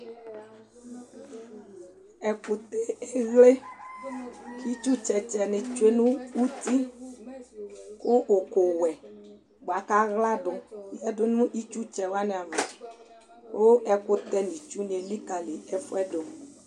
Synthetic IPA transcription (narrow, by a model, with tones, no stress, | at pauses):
ɛ˨ku˨t̪e˦e˦ɣle˦ | ki˦t͡ʃu˦t͡ʃɛ˨t͡ʃɛ˨ne˨t͡ʃu˦e˦nũ˦wu˦t̪i˦ | ko˦ʔo˨ko˨wɛ˨ | ɡ͡bo˨a˨ka˦ɣla˦ɖo˨jɛ˦ɖo˦nũ˦ʔi˦t͡ʃu˦t͡ʃɛ˨wa˦ne˨a˨me˨ | wo˦ɛ˦ko˦t̪ɛ˦nĩ˨t͡ʃu˦n˨e˨li˦ka˨le˨ɛ˦fo˦ɛ˦ɖo˨